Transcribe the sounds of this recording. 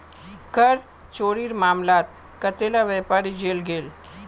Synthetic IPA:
kəɾ | t͡ʃoːɽiɾmaːmlaːt̪̚ | kət̪elaʋɛpaːɾid͡ʒeːlɡeːl

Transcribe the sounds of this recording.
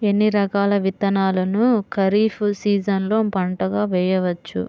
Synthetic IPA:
e̞nːiɾɐkaːlɐʋit̪ɐnaːlɐnukɐɾiːfusiːd͡ʒɐnlo̞ːpɐɳʈɐɡaːʋɛːjɐʋɐt͡ʃːṵ

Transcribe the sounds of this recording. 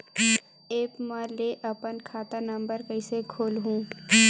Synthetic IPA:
eːpmãleʔɐpənkʰaːt̪anɐ̃mbəɾkəɪsekʰoːlɦũː

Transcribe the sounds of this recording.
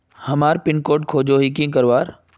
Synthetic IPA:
hɐmaːɾpɪnkoːʈ̚kʰoːd͡ʑoːɦikĩkəɾʋaːɾ

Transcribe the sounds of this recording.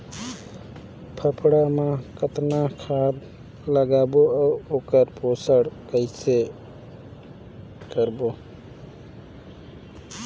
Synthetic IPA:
pʰəpʰɽamãkət̪nakʰad̪ | ləɡaːboauoːkəɾpoːsəɽkəɪse | kəɾboː

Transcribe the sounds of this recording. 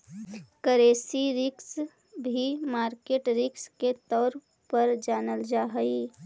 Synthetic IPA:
kəɾeːsiɾɪks | bʱimaːɾkeːʈɾɪksket̪ɔːɾ | pəɾd͡ʒaːnəld͡ʒaːɦəi

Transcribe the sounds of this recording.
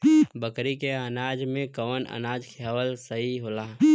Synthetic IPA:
bəkɾikeənaːd͡ʒmẽkəʋənə̰naːd͡ʒkʰaːʋəlsəɦiɦoːlaː

